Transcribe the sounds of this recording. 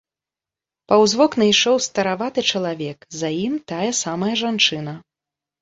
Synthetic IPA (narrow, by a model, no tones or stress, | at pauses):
pɐwzvɔknɐjʂɔwst̪ɐɾavat̪ɨt͡ʂɐlˠavʲɛkzajimt̪ajɛsamɐjɐʐant͡ʂɨn̪ɐ